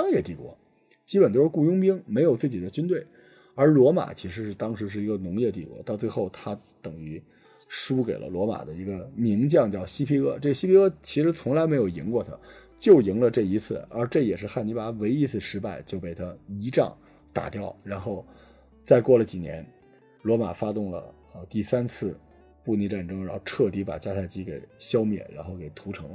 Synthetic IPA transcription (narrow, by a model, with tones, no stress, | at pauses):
ɑ˥ŋjɛ˥˧t̪i˥˩kwɔ̰˧˥ | t͡ɕi˥pə˨˩nt͡ɕjʊʂɻ̩˥˧ku˥˩jʊ˥ŋpi˥ŋme˧˥ɪjo˨˩ʊt͡sɹ̩˥˩t͡ɕi˨˩d̪ə˦t͡ɕy˥nt̪we˥˩ɪ | ə˞˧˥lwɔ˧˥ma̰˨˩t͡ɕʰi˧˥ʂɻ̩˧˥ʂɻ̩˥˩t̪ɑ˥ŋʂɻ̩˧˥ʂ̬ɻ̩˥˩i˧˥ɡə˧nʊ˧˥ŋjɛ˥˧t̪i˥˩kwɔ̰˧˥t̪ɑ˥˧ʊt͡swe˥˧ɪxo˥˩ʊt̪ʰa˥ | t̪ɤ˨˩ŋy˧˥ | ʂu˥ke˨˩ɪlʔə̰˦lwɔ˧˥ma̰˨˩d̪ə˦i˧˥ɡə˧mi˧˥ŋt͡ɕjɑ˥˧ŋt͡ɕjɑ˥˩ʊɕi˥pʰi˥ɤ˥ʈ͡ʂɤ˥˩ɡə˩ɕi˥pʰi˥ɤ˥t͡ɕʰi˧˥ʂɻ̩˧˥t͡sʰʊ˧˥ŋla˧˥ɪme˧˥ɪjo˨˩ʊji˧˥ŋkwɔ˥˧˩t̪ʰa̰˧˥ | t͡ɕjo˥˩ʊji˧˥ŋlə˧ʈ͡ʂɤ˥˩i˧˥t͡sʰɹ̩˥˩ə˞˧˥ʈ͡ʂɤ˥˩jɛ˨˩ʂɻ̩˥˧xa˥˩ni˧˥pa˥we˧˥ɪi˥t͡sʰɹ̩˥˩ʂɻ̩˧˥pa˥˧ɪt͡ɕjo˥˧ʊpe˥˩ɪt̪ʰa˥i˧˥ʈ͡ʂɑ̰˥˩ŋ | t̪a̰˨˩t̪jɑ˥˩ʊɻa˧˥nxo˥˩ʊ | t͡sa˥˧ɪkwɔ˥˩lə˩t͡ɕi˨˩njɛ̰˧˥n | lwɔ˧˥ma̰˨˩fa˥t̪ʊ˥˩ŋlə̰˩ | ə˧t̪i˥˩sa˥nt͡sʰɹ̩˥˧ | pu˥˧ni˧ʈ͡ʂa˥˩nʈ͡ʂɤ˥ŋɻnxo˥˧ʊʈ͡ʂʰɤ˥˩t̪i˧˥pa̰˨˩t͡ɕja˥t̪ʰa˥˩ɪt͡ɕi˥ke˨˩ɪɕjɑ˥ʊmjɛ̰˥˩ɻa̰˧˥nxo˥˩ʊke˨˩ɪt̪ʰu˧˥ʈ͡ʂʰɤ˧˥ŋ